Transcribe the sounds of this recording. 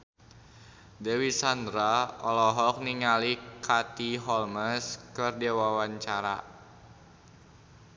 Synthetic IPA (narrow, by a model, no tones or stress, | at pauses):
dɛwisand̪ɾaɔlɔɦɔk̚niŋalikʰat̪iɦɔlməskərdɛwawaɲt͡ʃaɾa̰